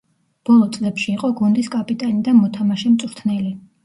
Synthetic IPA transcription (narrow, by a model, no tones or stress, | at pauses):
b̥ɔlˠɔt̪sʼlɛpʃiːqʼɔɡund̪iskʼapʼit̪ʼanid̪amɔt̪ʰamaʃɛmt̪sʼɾt̪ʰnɛli